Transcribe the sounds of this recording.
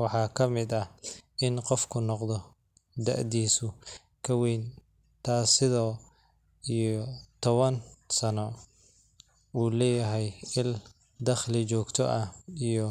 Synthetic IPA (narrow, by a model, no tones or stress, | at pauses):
wɑħɑːkʰɐmɪd̪ɐʔɪnqɔfkʰʊnɔqd̪ɔ | d̪ɐ̰ʕd̪iːsʊ | kʰɐwɛjn | t̪ʰaːsɪðɔː | ijɔt̪ʰɔβɐnsɐnɔ | uːlɛːjɐɦɛjɪl | d̪ɐχlɪt͡ʃɔːɡt̪ʰɔʔɐijɔ